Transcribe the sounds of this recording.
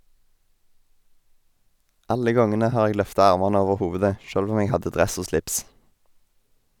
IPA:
ˈɑlə ˈɡɔŋənə ˈhɑːʁ ˈeːɡ ˈlœftɑ ˈɑʁmɑnə ˈoːʋəʁ ˈhoːʋʉdə ˈʃøːlʋ ˈuːm ˈeːɡ ˈhɑdə ˈdʁɛs ˈoː ˈslɪps

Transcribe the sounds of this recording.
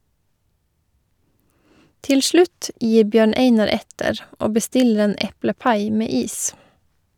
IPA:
ˈtɪl ˈʃlʉt ˈjiː ˈbjøːɳ ˈeɪnɑɾ ˈɛtəɾ ˈoː bəˈstɪlɾ̩ ˈeːn ˈɛpləˌpɑɪ ˈmeː ˈiːs

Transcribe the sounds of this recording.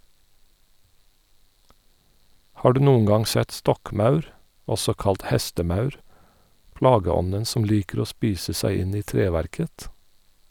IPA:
ˈhɑː ˈɖʉː ˈnuːʊŋ ˈɡɑŋ ˈsɛt ˈstɔkˌmɑʉɾ ˈɔsɔ ˈkɑlt ˈhɛstəˌmɑʉɹ ˈpɽɑːɡəˌɔnən ˈsɔm ˈliːkəɾ ˈoː ˈspiːsə ˈsæɪ ˈɪn ˈiː ˈtɹeːʋæɾkət

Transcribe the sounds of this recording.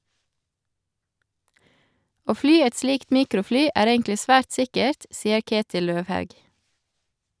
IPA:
ˈoː ˈflyː ˈɛt ˈsliːkt ˈmiːkɾʊˌflyː ˈæːɾ ˈeːŋklɪ ˈsʋæːɾt ˈsɪkəɾt ˈsiːə ˈkeːtɪl ˈløːʋˌhɑʉɡ

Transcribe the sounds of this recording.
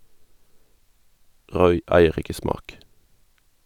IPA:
ˈʁɔʏ ˈæɪəʁ ˈɪkə ˈsmɑːk

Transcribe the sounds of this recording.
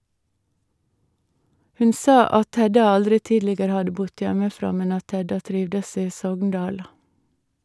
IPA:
ˈhʉn ˈsɑː ˈɑt ˈhɛdɑ ˈɑldɾɪ ˈtiːdlɪɡəɾə ˈhɑdə ˈbʊd ˈjɛməˌfɾɑː ˈmɛn ˈɑt ˈhɛdɑ ˈtɾɪʋdəs ˈiː ˈsɔɡŋˌdɑːl

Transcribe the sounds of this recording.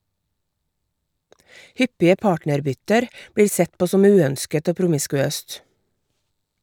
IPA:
ˈhʏpɪə ˈpɑːʈnəɾˌbʏtəɾ ˈbɽiːɾ ˈsɛt ˈpoː ˈsɔm ˈʉːˌœnskət ˈoː pɾʊmɪskʉˈøːst

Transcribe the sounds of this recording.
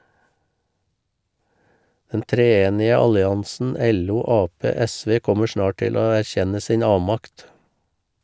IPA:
ˈdɛn tɾeːˈeːnɪə ˈɑlɪˌɑnsn̩ ˈɛluː ˈɑːˌpeː ˈɛˌsʋeː ˈkɔmə ˈʃnɑː ˈʈɪl ˈoː æɾˈçɛnə ˈsiːn ˈɑːʋmɑkt

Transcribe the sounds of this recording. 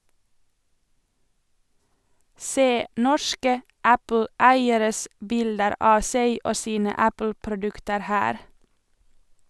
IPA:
ˈseː ˈnɔʃkə ˈʔæpl̩ˌæɪəɾəs ˈbɪldəɾ ˈʔɑː ˈseɪ ˈʔoː ˈsiːnə ˈæpl̩pɾʊˌdʉktəɾ ˈhæːɾ

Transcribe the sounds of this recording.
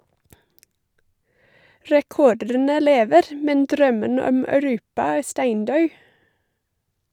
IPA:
ɹɛˈkɔɖənə ˈleːʋəɾ m ˈmɛn ˈdɾœmən ˈɔm œʉˈɾʉːpɑ ˈæː ˈstæɪnˌdœʉ

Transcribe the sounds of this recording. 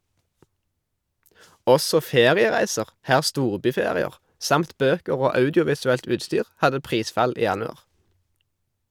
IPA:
ˈɔsɔ ˈfeːʁɪəˌʁæɪsəʁ ˈhæːʁ ˈstuːʁbyːˌfeːʁɪəʁ ˈsɑmt ˈbøːkəʁ ˈoː ˈɑʉdɪʊʋɪsʉɛlt ˈʉːtˌstyːʁ ˈhɑdə ˈpʁiːˌsfɑl ˈiː ˈjɑnʉɑʁ

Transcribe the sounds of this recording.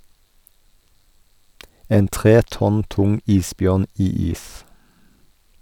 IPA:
ˈeːn ˈtʁeː ˈtɔn ˈtʊŋ ˈiːsˌbjœʁn ˈiː ˈiːs

